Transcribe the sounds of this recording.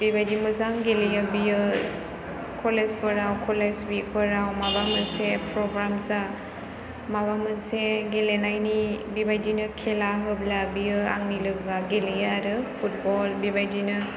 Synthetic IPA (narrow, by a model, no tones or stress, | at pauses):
bibajdimɯzaŋɡelijəbijɯ | kʰɔlesbəɾawkʰɔleswik̚bəɾawmabamɯnsepʰɾɔɡɾamsa | maβamɯnseɡelenajnibibajdinɯkʰɛlaɦɯb̚labijɯaŋnilɯɡɡaɡelijaɾɯpʰut̚bɔlbibajdinɯ